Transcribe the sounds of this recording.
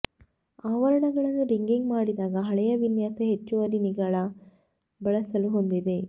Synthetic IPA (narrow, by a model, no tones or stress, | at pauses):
aːʋɐɾɐɳɐɡɐɭɐnːuɾiŋɡiŋɡmaːɽid̪aːɡɐɦɐɭɛjɐʋinjaːsɐɦet͡ʃːuʋɐɾiniɡɐɭɐ | bɐɭɐsɐluɦond̪id̪e̞